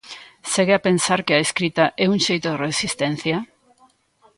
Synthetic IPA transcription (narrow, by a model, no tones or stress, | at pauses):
seɣeapensaɾkɪaeskɾit̪aʔɛuŋʃejt̪oðeresist̪en̟θjɐ